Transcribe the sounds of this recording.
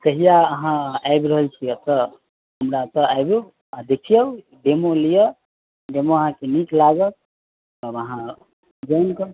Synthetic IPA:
t̪əɦijaəɦãajbɾəɦəlt͡ʃʰiət̪ə | ɦəmɾat̪əajbu | ad̪ekʰijəw | ɖemolijə | ɖemoəɦãkeniklaɡət̪̚ː | bəɦã | d͡ʒəjnkə

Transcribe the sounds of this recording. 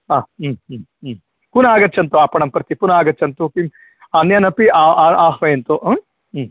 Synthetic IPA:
aː | kunaːɡɐt̚ːt͡ʃʰɐnt̪uaːpɐɳɐmpɾɐt̪ipunaːɡɐt͡ʃɐnt̪ukim | anjɐnɐpiaaːɦʋɐjent̪oʔ

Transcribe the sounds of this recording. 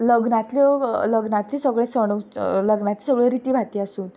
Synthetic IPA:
ləɡnat̪lɔləɡnat̪liːsəɡɭesəɽ̃oləɡnat̪lisəɡɭeɾit̪iːbʱat̪iːasuːn

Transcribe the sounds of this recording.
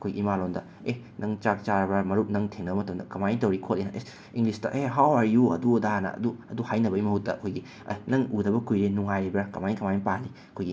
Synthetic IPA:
ɐkʰojɡḭimalondɐ̰ | e | nʔɐŋt͡ʃak̚t͡ʃaɾɐbɐmɐɾup̚nɐŋtʰeŋnɐbɐmɐtʰɐmdɐkɐmajitɐwɾikʰotlejnɐʔe | iŋɡlistɐ̰ʔeɦawaɾjuɐ̰duɐdanɐ̰ɐ̰duɐduhajnɐbɐimɐhutːɐ̰ɐkʰojɡi | ɐ̰nɐŋudɐbɐkʰujɾenuŋajɾibɐkɐmajnikɐmajipali | ɐkʰojɡi

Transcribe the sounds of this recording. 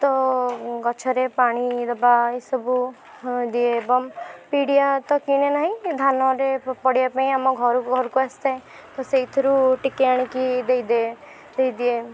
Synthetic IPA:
t̪ɔɡɔt͡ʃʰɔɾepaɽ̃id̪ɔbaesɔbu | d̪ieːbɔmpiɽijat̪ɔkiɽ̃enaɦĩd̪ʱanɔɾepɔɽiapaĩamɔɡʱɔɾuɡʱɔɾkuast̪aẽ | t̪ɔseit̪ʰɔɾuʈikeaɽ̃ĩkid̪ejd̪e | d̪ejd̪ie

